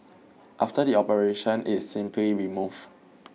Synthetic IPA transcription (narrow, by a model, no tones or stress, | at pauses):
ʔaftədiɔpəɹeʃə̃nɪssĩmpʰliɹimuv